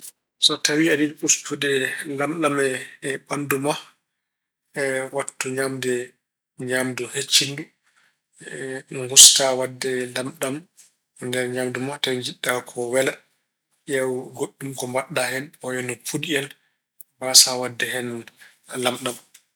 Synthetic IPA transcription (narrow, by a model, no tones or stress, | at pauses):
sɔtawiadiɾɓustudɛlamɗamɛɓanduma | ɛwatːuɲamdɛ | ɲamduhet͡ʃːindu | hustawadːɛlamɗam | ndɛɾɲamdumatawid͡ʒiɗːakʰɔwɛla | ʔawɡoɗːumkɔmbaɗːahɛnɔjɛnɔpʰudiɛn | basawadːɛɦɛn | lamɗam